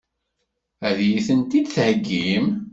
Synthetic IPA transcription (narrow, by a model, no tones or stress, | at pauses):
æðjiθənt̪id̪θhəɡːim